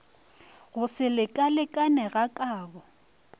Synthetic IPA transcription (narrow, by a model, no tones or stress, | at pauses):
ɣʊsɪlɪkʼalɪkʼanɛɣakʼaːbɔ